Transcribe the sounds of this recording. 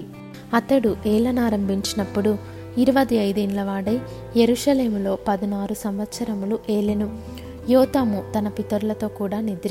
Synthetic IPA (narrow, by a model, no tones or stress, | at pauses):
ɐt̪ɐɽuʔeːlɐnaːɾɐmbʱiɲt͡ʃinɐpːuɽu | iɾuʋɐd̪iɐjd̪eːnlɐʋaːɽɐj | jeɾuʃɐle̞ːmulo̞ːpɐd̪ɐnaːɾusɐmʋɐt̪sɐɾɐmuluʔeːlenu | jɔːt̪aːmut̪ɐnɐpit̪ːɐɾulɐt̪o̞ːkuːɽaːnid̪ɾ